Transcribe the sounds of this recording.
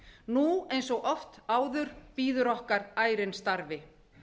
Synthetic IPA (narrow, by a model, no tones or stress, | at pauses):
nuejnsɔɣʔɔft̪aːwðʏɾ̥piːðʏɾɔhkaɾaːjɾɪnst̪aɾvɪ